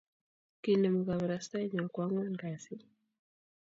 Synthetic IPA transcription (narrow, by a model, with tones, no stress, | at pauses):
ki˨nɛ˨mu˨ɡa˨βa˨ɾa˨sa˦ɲɔ˨kwa˦ŋa˦nɡa˨si˦